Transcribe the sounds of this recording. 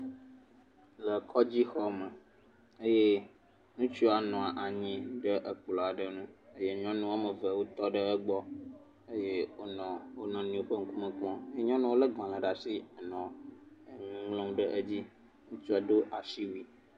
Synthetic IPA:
lə˨kʰɔ˦d͡ʑi˦xɔ˦mə˨ | ə˦je˦ | nũ˦t͡ʃu˦a˨nɔ̃˨a˨ʔa˨ɲĩ˨ɖə˦ʔə˨k͡plɔ˨a˨ɖə˨nũ˦ə˦je˦ɲɔ̃˦nũ˦wa˦mə̃˨və˨wo˦t̪ɔ˦ɖə˦ə˦ɡ͡bɔ˦ | e˦je˦wo˦nɔ̃˨wo˦nɔ̃˨nĩ˨˦o˨ɸə˦ŋ̩˦ku˦mə̃˦k͡pɔ̃˦e˦je˦ɲɔ̃˦nũ˦wo˦lə˦ɡã˨lã˨ɖa˨si˦ə˨nɔ̃˨ | ŋ˦ŋlɔ̃˦ŋ˦ɖə˦ʔə˦d͡ʑi˦ | nũ˦t͡ʃu˦a˨ɖo˦ʔa˨ʃi˦wi˨

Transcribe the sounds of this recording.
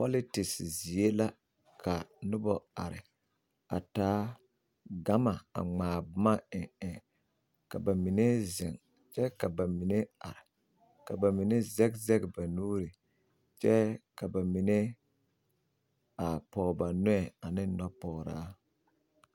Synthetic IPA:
po˦li˦tɪ˨szi˨e˦la˦ | kʰa˨nʊ˦bɔ˨a˨ɾɪ̰˨ | a̰˨taː˦ | ɡa˦ma˨a̰˨ŋ͡maː˨bʊ˨ma˦ɪ˨ɛ˨ | ka̰˨ba˨mi˨ne˦zɪ˨ŋ | t͡ʃɛ˦ka˨ba˨mi˨ne˦a̰˨ɾɪ˨ | ka˨ba˨mi˨ne˦zɛ˦kzɛ˦kba˨nuː˦ɾi˨ | t͡ʃɛ˦ka˨ba˨mi˨ne˦ | a˨pɔː˨ba˨nɔ˦ɛ˨a˨nɪ˦nɔ˦pɔ˨ɾa̰ː˦

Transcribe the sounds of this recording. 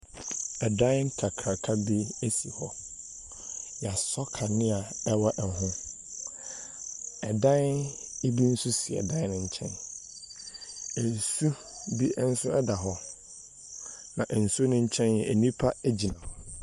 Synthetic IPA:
ɛ˨dã˦n˦ŋ˦kʰa˨kʰa˨kʰa˦bi˦e˦si˨hɔ˦ | ja˨sɔ˦kʰa˨nɪ̃˦a˨ɛ˦wɔ˦ʔɛ˨ɦʊ̃˦ | ɛ˨dã˦ne˦bi˦n̩˦su˦sɪ˨ɛ̰˨dã˦nɪ̃˨ɲ̩˨t͡ɕʰɛ̰̃˦n | ɛ˨n˨su˦ | bi˦n̩˦sʊ˦ɛ˦da˨ɦɔ˦ | nã˨ʔɛ˨n̩˨su˦o˦nʊ̃˦ɲ̩˦t͡ɕʰɛ̃˦njɛ˨ʔɛ˨nĩ˦pʰa˦æ˦d͡ʑi˨nã˨

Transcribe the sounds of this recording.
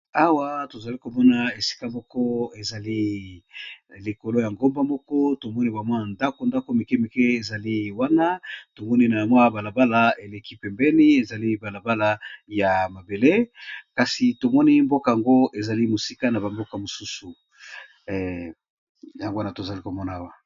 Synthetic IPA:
a˦wa˦to˨za˨li˦ko˨mɔ˦na˨e˨si̥˦ka˦mɔ˦kɔ˦e˨za˨li˦ | le˨ko˨lo˦ja˨ŋɡo˦mba˦mɔ˦kɔ˦to˨mɔ˦ni˦ba˨mwa˦na˨nda˦ko˨nda˦ko˦me˨kɛ˦mi˨ke˦e˨za˨li˦wa˦na˦to˨mɔ˦ni˦na˨a˨mwa˦ba˨la˨ba˦la˦e˨le˨ki˦pɛ˨mbɛ˦ni˦e˨za˨li˦ba˨la˨ba˦la˦ja˨ma˨be˨le˦ka˨si˨to˨mɔ˦ni˦mbo˦ka˨ja˨ŋɡo˦ʔe˨za˨li˦mo˨si˦ka˦na˨ba˨mbo˦ka˨mo˨su˦su˨ | ja˦ŋɡa˦na˨to˨za˨li˦ko˨mɔ˦na˨a˦wa˨

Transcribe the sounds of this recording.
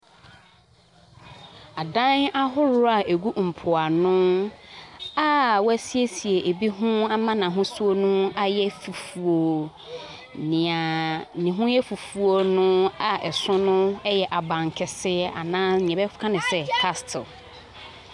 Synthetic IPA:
a˨dã˦na˦ɦʊ˦ɾʊ˦ɾa˨ʔe˨ɡu˦m̩˨pʰʊ˨a˨nʊ̃˦ | a˨wæ˦si˦e˦si˨e˨ʔe˨bi˦ɦʊ̃˦a˦mã˦nã˨ɦʊ̃˦su˦o˦nũ˦a˨jɛ˦fu˨fu˨o˨ | nɪ̃˨ã˨nɪ̃˨ɦʊ̃˦jɛ˦fu˨fu˨o˨nʊ̃˦a˨ʔɛ˨sʊ̃˦nʊ̃˦ɛ˦jɛ˨ʔa˨bã˨ŋ˨kʰɪ˨sɪ˦a̰˨nãː˦˨ɲɛ̃˨bɛ˦fkʰã˦nɪ̃˨sɛ˨kʰa˦stʰɪ˨l

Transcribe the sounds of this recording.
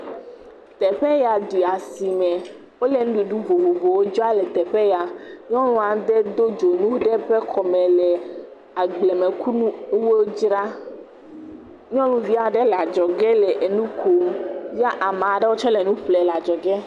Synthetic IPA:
t̪ɛ˨ɸɛ˦ja˨ɖi˨a˨si˨mɛ˨ | wo˦le˨ñ˦ɖu˨ɖu˦vo˨vo˨vo˨wo˦d͡ʒɔ˦a˦lɛ˨t̪ɛ˨ɸɛ˦ja˨ɲɔ̃˦lɔ̃˦a˨d̪ɛ˦d̪o˦d͡ʒo˨nũ˦ɖɛ˦ɸɛ˦kʰɔ˨mɛ̃˨lɛ˨ | a˨ɡ͡ble˨me˨ku˦nũ˦wo˦d͡ʒɾa˦ | ɲɔ̃˦lũ˦vi˦a˨ɖɛ˦la˨d͡ʒɔ˨ɡɛ˦lɛ˨ʔe˨nũ˦kʰo˨vi˦a˦ʔa˨mã˨ɖɛ˦wo˦t͡ʃɔ˦lɛ˨nũ˦ɸlɛ˨la˨d͡ʒɔ˨ɡɛ˦

